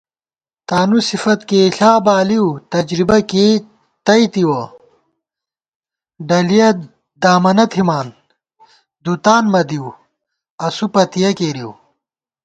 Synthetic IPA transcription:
t̪aːnusifɐt̪keːɬaːbaːliwt̪ɐd͡ʑɾibɐkeː | t̪ɐjt̪iwɐ | ɖɐlijɐ | d̪aːmɐnɐt̪ʰimaːn | d̪ut̪aːnmɐd̪iw | ɐsupɐt̪ijɐkeːɾiw

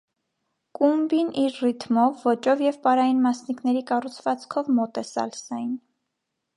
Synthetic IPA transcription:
kumbiniɾrit̪ʰmɔvːɔt͡ʃɔvjɛvpɑɾɑjinmɑsniknɛɾikɑrut͡sʰvɑt͡skʰɔvmɔt̪ɛsɑ̰lsɑjin

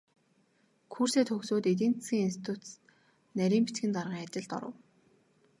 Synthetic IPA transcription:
kʰur̥seːt̪xɵxsoːt̪et̪̬iːnt͡sɡʲiːŋinst̪ʰi̥t̪ʰut̪ | næɾʲiːmpit͡ɕ̪ɡɘ̆nt̪arʁiːŋat͡ɕɪ̆ɮt̪ɔ̰ɾə̰̆w

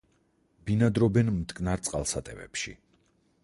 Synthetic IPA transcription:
b̥inad̪ɾɔbɛnmt̪ʼkʼnaɾt̪sʼqʼalˠsat̪ʼɛvɛ̰pʃḭ

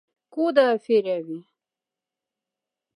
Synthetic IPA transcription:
kod̪afeɾawi

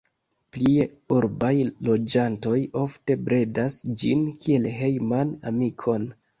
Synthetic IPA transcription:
plie | uɾbajlo̞d͡ʒanto̞jo̞fte̞bɾe̞dasd͡ʒinkʰie̞lɦe̞jmana̰mikʰo̞n

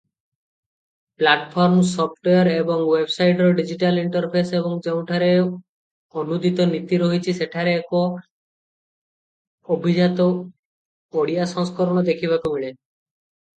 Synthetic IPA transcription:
plaʈpʰɔɾmsɔp̚ʰʈeaɾebɔŋwebsajʈɾɔɖid͡ʑiʈaliɳʈɔɾpʰeseβoŋd͡ʒeũʈʰaɾe | onud̪it̪ɔnit̪iɾoɦit͡ʃʰiseʈʰaɾeːko | obʱid͡ʒat̪ɔ | oɽijasɔ̃ŋskɔɾɔñɔd̪ekʰibak̪omiɭe

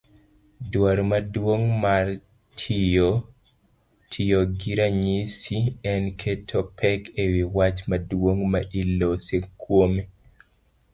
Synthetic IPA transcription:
dwaɾmadwoŋmar | tʰijo | tʰijoɡiɾaɲisiɛnkʰetʰɔpʰɛkʰewiwat͡ʃmadwoŋmaʔilːosekʰːwome

